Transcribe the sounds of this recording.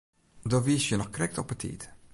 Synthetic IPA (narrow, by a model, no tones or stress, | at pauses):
dɔʋiəsjənɔxkrɛk̚tɔpətʰḭt